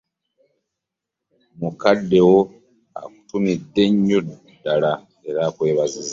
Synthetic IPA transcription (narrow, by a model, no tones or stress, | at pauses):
mukadːe̞wo̞ | a̰ku̥tumidːe̞ɲːu | dːala | e̞ɾaːkwe̞ːβaziza